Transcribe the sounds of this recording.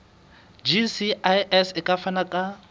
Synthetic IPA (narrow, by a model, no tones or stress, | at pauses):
d͡ʒisiʔajʔɛsɪkʼafanakʼa